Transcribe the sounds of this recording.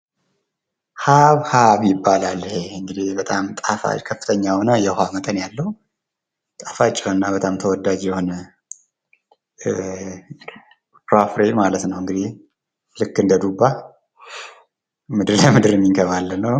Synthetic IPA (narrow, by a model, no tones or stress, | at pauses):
haβhaβjɪbːalalːheɨŋɡɨd̪ihbət̪ʼamt̪ʼafa̰kʰəfːɨ̥t̪ʰəɲːawnəjɛhamət̪ʼənjalːəhu | t̪ʼafat͡ʃʼːɛɨnːabət̪ʼamt̪ʰəwɔd̪ad͡ʒjɛho̞nə | pɾafɾemalət̪nəwɨŋɡɨd̪ih | lɨkːɨnd̪əd̪ubːa | mɨd̪ɨɾləmɨd̪ɨɾɨmːiŋkʰəβalːənːəw